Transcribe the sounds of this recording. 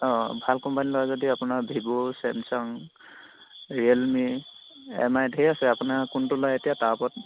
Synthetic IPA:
ɔbʱalkɔmpanilɔwazɔdiapʊnaɹbʱibusɛmsɔŋ | ɹielmi | ɛ̰majdʱejasɛapʊnakuntʊlɔjetijatapɔt̚

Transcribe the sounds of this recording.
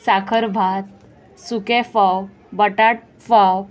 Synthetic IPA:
sakʰəɾbʱat̪̚ | sukefaw | bəʈaʈ̚ | faw

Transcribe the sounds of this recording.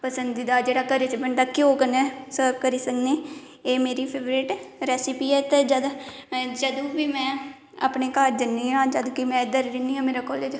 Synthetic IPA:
pəsənd̪id̪aːd͡ʒeːɽaːkəɾet͡ʃəbəɳɖ̪aːkɪoːkənɛ̃ːsəkəɾiːsəkneː | eːmeːɾiːpʰeːʋɾeːʈɾɛːsɪpiːɛːt̪eːd͡ʒaːd̪d͡ʒəd̪ũːbiːmɛ̃ː | a̰pneːkaːɾd̪ɪnːiːɦãːd͡ʒəd̪ũːkimɛ̃ːɪd̪əɾɾɪniːãːmeːɾaːkɔːleːd͡ʒ

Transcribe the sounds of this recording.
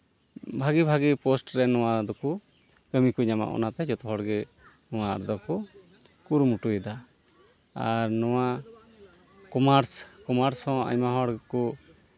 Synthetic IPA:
bʱaɡibʱaɡipɔsʈɾɛnɔwad̪ɔku | kəmikuɲama̰ʔɔ̰nat̪ɛd͡ʒɔt̪ɔɦɔɽɡɛ | nɔw̃aa̰ɾd̪ɔkɔ | kuɾumuʈuɛd̪a | aɾnɔw̃a | kɔmaɾskɔmaɾsɔ̃a̰ɲmaɦɔɽɡku

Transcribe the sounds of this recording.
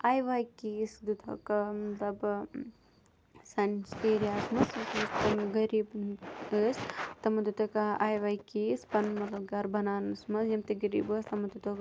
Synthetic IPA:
aːjʋaːjkiːsd̪ut̪ʰɐ̰kmɐt̪lɐb | sɐnseːɾiaːsmɐsɐsmɐst̪ɐmɡɐɾiːbəːst̪ɐmɐd̪ut̪ʰɐkɐaːjʋaːjkiːspɐnmɐt̪lɐb̚ɡɐɾbʱɐnaːnɨsmɐsjɐmt̪iɡɐɾḭːbəːst̪ɐmɐd̪ut̪ɐ

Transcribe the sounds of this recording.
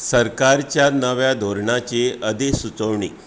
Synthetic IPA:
səɾkaɾt͡ɕjanəʋjad̪ʱoɾɳat͡ɕeəd̪esut͡səʋɳḭ

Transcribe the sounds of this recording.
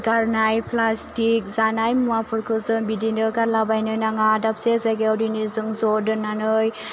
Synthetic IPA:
ɡaɾnajpʰlastik̚zanajmuapʰɯɾkʰɯzɯŋbidindɯɡalabajnɯjnaŋadap̚sezaɡeawdinizɯŋzɔdɯnanɯj

